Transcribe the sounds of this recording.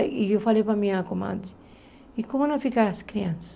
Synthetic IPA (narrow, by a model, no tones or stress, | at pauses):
iewfalejpɾɐmĩɲɐkoma̰d̪i | ikõmʊnɐ̃fikaɾɐskɾiɐ̃sɐ̥